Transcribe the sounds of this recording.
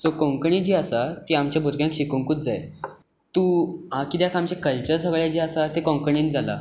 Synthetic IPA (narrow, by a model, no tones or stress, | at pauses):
sokɔ̃ŋkɳid͡ʑiːasat̪iamt͡ɕjabʱuɾɡjãŋkɕikuŋkuːt̪̚d͡zaj | t̪uakid̪jakʰamt͡ɕekəlt͡ɕət͡səɡɭjad͡ʑiːasat̪ekɔ̃ŋkɳind͡zala̰